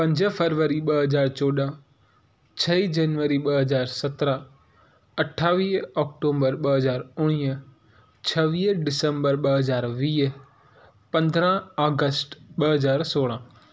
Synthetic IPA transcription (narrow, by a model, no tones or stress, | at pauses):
pɐ̃ɲd͡ʑfəɾʋəɾiɓɐɦəzaːɾt͡ɕoːɗã | t͡ɕʰɐid͡ʒɐnʋəɾiɓɐɦəzaːɾsɐt̪ɾa | ɐʈʰaːʋiːɦɔːk̚ʈoːmbəɾɓɐɦəzaːɾʊɽ̃iː | t͡ɕʰɐʋiːɦɖɪsə̃mbəɾɓɐɦəzaːɾʋiː | pɐ̃nd̪ɾə̃aːɡəsʈɓəɦɐzaːɾsoːɽ̃ã